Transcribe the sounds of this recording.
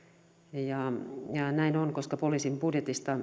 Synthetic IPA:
jɑjɑnæinonkoskɑpoliːsimbudjet̪ist̪ɑ

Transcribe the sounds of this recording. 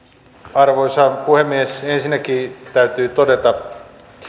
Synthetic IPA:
ɑrʋoisɑpuhemːiesensinːækiːt̪æyt̪yːt̪odet̪ɑ

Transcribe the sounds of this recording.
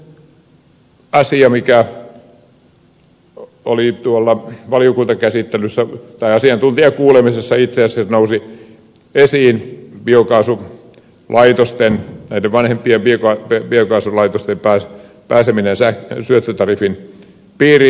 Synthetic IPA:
ɑsiɑmikæ | olit̪uolːɑʋɑlijokunt̪ɑkæsit̪ːelysːæt̪ɑiɑsiɑnt̪unt̪iɑkuːlemisesːɑit̪seæsːesnousi | esiːnbiokɑːsu | lʔɑit̪ost̪ennæideʋʋɑnhempˑiempiokɑpiokɑːsulɑit̪ost̪empæː | pæːseminensæsyøt̪ːøt̪ɑrifin | piːri

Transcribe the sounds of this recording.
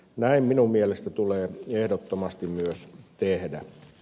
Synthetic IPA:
næimminummielest̪æt̪uleːehdot̪ːomɑst̪immyøst̪ehdæ

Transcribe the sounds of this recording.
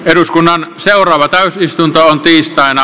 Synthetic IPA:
eɾuskunːɑnseurˑɑːʋɑt̪æˑysist̪unt̪oont̪iːst̪ɑˑenɑ

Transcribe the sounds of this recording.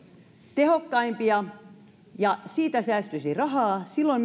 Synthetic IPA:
t̪ehokːɑimpiɑ | jɑsiːt̪æsæːst̪ysirɑɦɑːsilːoim

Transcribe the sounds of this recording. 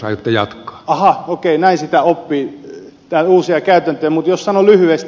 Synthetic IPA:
ɑ̰iot̪ːɑjɑ̰t̪kˑɑ̥ːɑhɑokeinæinsit̪æopːiː | t̪æuːsiɑkæyt̪ænt̪øːmut̪jossɑnolyhyest̪

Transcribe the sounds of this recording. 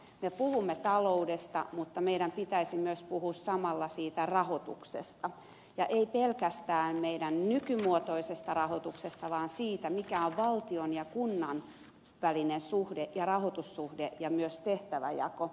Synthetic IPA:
mepuhumːet̪ɑloudest̪ɑ̰mut̪ːɑmeiɾæmpit̪æisimyøspuhussɑmɑlːɑsiːt̪ærɑhot̪ṵksḛst̪ɑ | jɑʔeipelkæst̪æːmmeidænnykymuot̪oisest̪ɑrɑhot̪uksest̪ɑʋɑːnsiːt̪æmikæoʋʋɑlt̪ionjɑkunːɑn | ʋælinensuhdeʔjɑrɑhot̪usːuhdeʔjɑmyøst̪eht̪æʋæ̰jɑ̰ko

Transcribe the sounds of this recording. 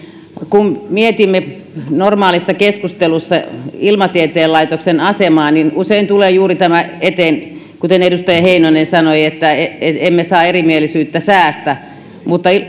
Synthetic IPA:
kummiet̪imːe | normɑːlisːɑkeskust̪elusːɑilmɑt̪iet̪eːlɑit̪oksenɑsemɑːninuseint̪uleːjuːrit̪æmæet̪eːn | kut̪enedust̪ɑjɑheinonensɑnoiet̪ːæeeemːesɑːerimielisyːt̪ːæsæːst̪æ | mut̪ːɑi

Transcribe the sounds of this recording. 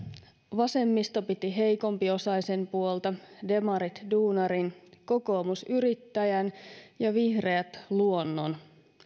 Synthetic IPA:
ʋɑse̞mːist̪o̞pit̪iɦe̞jko̞mpio̞sɑise̞mpuolt̪ɑde̞mɑɾit̪duːnɑɾinko̞ko̞ːmusyɾit̪ːæjænjɑʋihre̞æt̪luonːon

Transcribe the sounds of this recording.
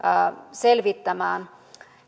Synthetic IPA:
selʋit̪ːæmæːn

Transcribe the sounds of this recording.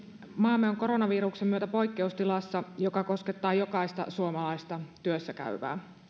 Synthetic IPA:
mɑːmːeoŋko̞ɾonɑʋiːɾuksemːyøt̪æpo̞jkːeust̪ilɑsːɑjokɑko̞sket̪ːɑːjo̞kɑist̪ɑ̰suomɑlɑist̪ɑt̪yøsːækæ̰yʋæ̰ː

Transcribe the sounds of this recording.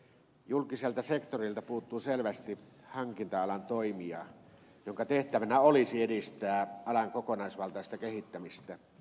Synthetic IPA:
julkiselt̪ɑsekt̪orilt̪ɑpuːt̪ːˑuːselʋæst̪i | hɑŋkint̪ɑɑlɑnt̪oimiɑ̰ | joŋkɑt̪eht̪æʋænæolisiedist̪æːʔɑlɑŋkokonɑˑesʋɑlt̪ɑˑist̪ɑkehit̪ːæmist̪æ

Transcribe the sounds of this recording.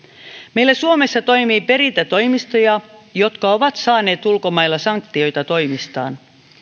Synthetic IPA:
me̞ilːæsuome̞sːɑt̪o̞imiːpe̞ɾint̪æt̪o̞jmist̪ojɑjo̞t̪kɑo̞ʋɑt̪sɑːne̞ːt̪ulko̞mɑjlːɑsɑŋk̚t̪io̞jt̪ɑt̪o̞jmist̪ɑ̰ːn

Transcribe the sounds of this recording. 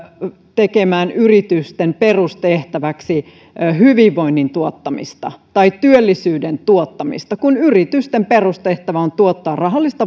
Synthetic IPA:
t̪ekemæːnyrit̪yst̪emperust̪eht̪æʋæksi | hyʋiʋːo̞inːint̪uot̪ːɑmḭst̪ɑ̰t̪ɑitt̪yølːisyːdent̪uot̪ːɑmḭst̪ɑkunyrit̪yst̪emperust̪eht̪æʋæont̪uot̪ːɑːrrɑɦɑlːist̪ɑ

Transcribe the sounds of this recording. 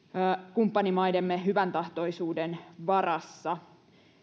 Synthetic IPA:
kumpːɑnimɑjdemːeɦyʋænt̪ɑht̪o̞isuːdenʋɑrɑsːɑ

